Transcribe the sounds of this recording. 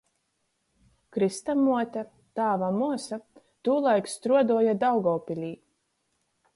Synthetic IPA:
kɾist̪amuɔt̪a | t̪aːvamuɔsa | t̪uːlˠajkst̪ɾuɔd̪uɔjad̪awɡɔːpʲilʲiː

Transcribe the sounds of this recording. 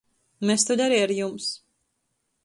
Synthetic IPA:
mest̪uʎʲaɾiaɾjums

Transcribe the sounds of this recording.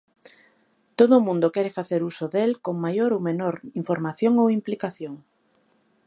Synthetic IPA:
t̪oðʊːmũnd̪okɛɾefaθeɾusoðelkoŋmajoɾowmenoɾiɱfoɾmaθjoŋowimplikaθjoŋ

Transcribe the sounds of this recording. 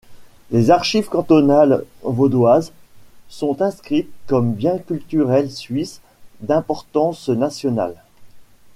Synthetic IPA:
lezaʁʃivkɑ̃t̪ɔnalvod̪wazsɔ̃t̪ɛ̃skχit̪̚kɔmbjɛ̃kʲylt̪yʁɛlsɥis | d̪ɛ̃pɔʁt̪ɑ̃snasjɔna̰l

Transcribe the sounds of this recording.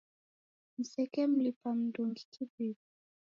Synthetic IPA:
m̩sɛkɛm̩lipam̩duŋɡikʰibibi

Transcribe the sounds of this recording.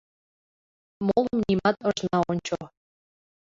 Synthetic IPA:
molˠə̆mnʲimɑt̪ɤ̆ʒnɑonʲt͡ɕo

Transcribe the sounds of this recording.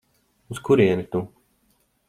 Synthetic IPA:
uskuɾiɛnit̪u

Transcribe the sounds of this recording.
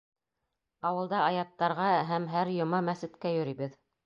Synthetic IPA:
ɑwɤ̆lˠd̪ɑɑjɑt̪ːɑɾʁɑɦæmɦæɾjŏmɑmæsɘ̆t̪kæjɵ̆ɾiβɘð

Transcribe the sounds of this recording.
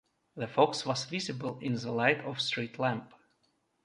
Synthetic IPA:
ðəfɔkswʌzvɪzɨbəlˠɪ̃nðəlaɪtʰɔv̥stɹ̥itʰˡlæ̃mp

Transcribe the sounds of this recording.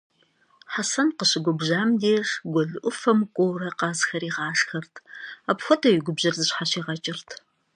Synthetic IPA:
ħasɐnqəɕɪɡʷɔbʑaːmdeːʂɡʷɔɮɨʔʷʊfɐmkʷʼowrɐqɑːzxɐɾiːʁɑːɬxɐrtʰaːpxʷɔtʰɐwɪɡʷʊbʑɐrzɨɕħaɕiːʁɐt͡ʃʼɪrtʰ

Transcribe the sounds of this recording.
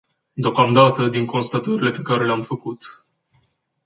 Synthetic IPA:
d̪eokamd̪at̪əd̪iŋko̞nst̪at̪əɾile̞pe̞kaɾe̞leamfəkut̪

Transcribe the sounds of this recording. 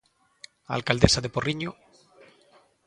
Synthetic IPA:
a̰lkald̪esaðeporiɲo

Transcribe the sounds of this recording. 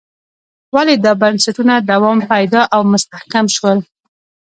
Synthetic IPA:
waled̪əbansaʈunad̪awɑmpajd̪ɑʔawmʊst̪ahkamʃwəl

